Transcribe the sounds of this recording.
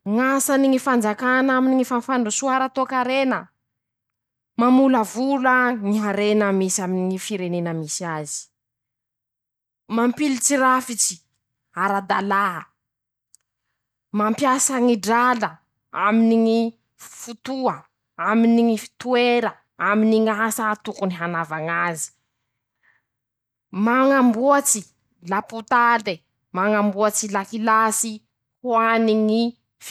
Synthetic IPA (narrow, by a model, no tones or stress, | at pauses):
ŋasaniŋifand͡zakanaminiŋifanfaɳɖ͡ʐusuaɾat̪okaɾenə | mamuləvuləŋiɦaɾenəmisaminiŋifiɾenenəmisiazi̥ | mampilit͡siɾafit͡ʃi̥ | aɾad̪alaə | mampjasəŋiɖ͡ʐalə | aminiŋi | fut̪ua | aminiŋifi̥t̪ueɾə | aminiŋasat̪ukuniɦanavaŋazi̥ | maŋambuat͡si | laput̪ale | maŋambuat͡silakilasi | huaniŋi | f